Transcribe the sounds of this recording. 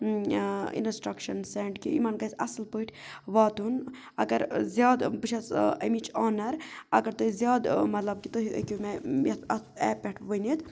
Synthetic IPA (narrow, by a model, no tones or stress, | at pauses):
ḭnsʈɾɐkʃɐnseɳɖkiḭmaːnkɐsʲɐslpəʈʰʲʋaːt̪un | ɐɡɐɾzjaːd̪bɨt͡ʃʰɐsɐmit͡ʃaːnɐɾɐ̰ɡɐɾt̪oɦizʲjaːd̪mɐt̪lɐb̚kit̪oɦḭkʲumejɐt̪ɐɛːpɛʈʰʋənid̪